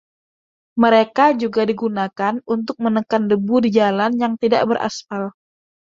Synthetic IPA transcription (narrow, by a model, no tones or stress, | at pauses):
məɾekad͡ʒuɡadiɡunakanunt̪ʊk̚mənəkandəbudid͡ʒalanjaŋt̪ida̰ʔbəɾʔa̰sfal